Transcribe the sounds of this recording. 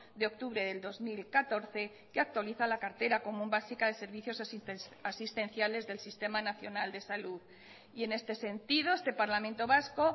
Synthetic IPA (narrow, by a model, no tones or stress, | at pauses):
d̪eo̞k̚t̪uβɾe̞ðe̞ld̪o̞zmilkat̪o̞ɾθe̞ | keak̚t̪waliθalakaɾt̪e̞ɾako̞mũmbasikaðe̞se̞ɾβiθjo̞sasist̪e̞nθjale̞zðe̞lsist̪e̞manaθjo̞nald̪e̞saluð | ie̞ne̞st̪e̞se̞nt̪ið̞o̞est̪epaɾlamẽnt̪o̞βasko̞